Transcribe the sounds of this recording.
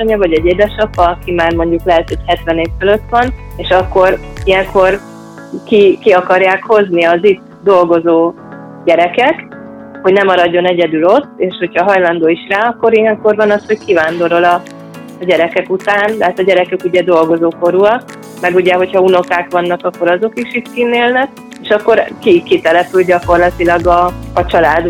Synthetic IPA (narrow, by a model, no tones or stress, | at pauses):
ʃoɲɒvɒɟɛɟːeːd̪ɛʃɒpːɒkimaːrmo̞ɲɟuklɛɦɛt̪hɛchɛt̪ʋɛneːfføløt̪ːʋɒneːʃɒkːo̞rijɛŋkʰo̞r | kikiɒkɒrjaːkho̞zniɒzit̪ | d̪o̞lɡo̞zoː | ɟɛɾɛkɛk | ho̞ɟnɛmɒɾɒɟːo̞nɛɟɛd̪ylo̞t̪ːeːʃho̞chɒɦɒjlɒnd̪oːiʃraːɒkːo̞ɾijɛŋko̞rvɒnɒsho̞ckivaːnd̪o̞ɾo̞lɒː | ɟɛɾɛkɛkut̪aːnt̪ɛɦaːt̪ɒɟɛɾɛkɛkuɟɛd̪o̞lɡo̞zoːko̞ɾuɒk̚ | mɛɡuɟɛɦo̞chɒuno̞kaːkʋɒnːɒkɒkːo̞ɾɒzo̞kiʃit̪kineːlnɛk | eːʃɒkːo̞ɾkikit̪ɛlɛpylɟɒko̞rlɒt̪ilɒɡɒɒt͡ʃɒlaːd̪